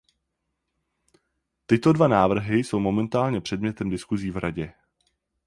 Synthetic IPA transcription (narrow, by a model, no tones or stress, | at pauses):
t̪ɪt̪o̞dvanaːvr̩ɦɪso̞wmo̞mɛnt̪aːlɲɛpr̝̥ɛdmɲɛt̪ɛmdɪskuziːvɾʔaɟɛ